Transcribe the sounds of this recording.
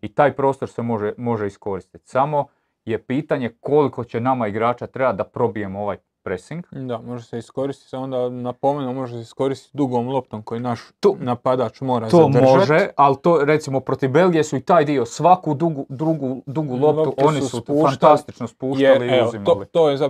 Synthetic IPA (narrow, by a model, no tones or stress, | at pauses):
it̪aːjpɾo̞ːst̪o̞ɾse̞mo̞ʒemo̞ʒeisko̞ɾist̪i̥t̪samo̞ | je̞piːt̪aɲe̞ko̞liko̞t͡ɕenamaiɡɾaːt͡ʃat̪ɾe̞bat̪d̪apɾo̞bije̞moo̞ʋaːj | pɾesiŋɡd̪amo̞ʒeseisko̞ɾist̪i̥t̪sond̪anapomenomo̞ʒeseisko̞ɾist̪i̥t̪ʲd̪uɡoomlˠo̞p̚t̪omko̞jinaʃt̪onapad̪at͡ʃmo̞ːɾat̪oːmmoʒealt̪oːɾe̞t̪simopɾo̞t̪ivbe̞lɡijesuit̪aːjd̪io̞sʋakud̪uɡud̪ɾuɡud̪uɡulˠo̞pt̪uʔ̪o̞nisusuuːfant̪ast̪it͡ʃnospuːʃjaliuzimlit̪oːjeza